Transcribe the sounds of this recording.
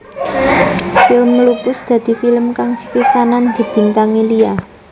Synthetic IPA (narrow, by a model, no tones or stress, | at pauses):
fɪlmlupʊsd̪̥ä̤d̪̥i̤filəmkaŋsə̥pisanand̪̥i̤b̥i̤nt̪aŋilia